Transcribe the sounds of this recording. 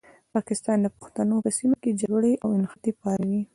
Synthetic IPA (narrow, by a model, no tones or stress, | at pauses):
pɑkɪst̪ɑnd̪əpʊ̥xt̪anopəsimoked͡ʒaɡɽeawɪnxat̪epɑɾawi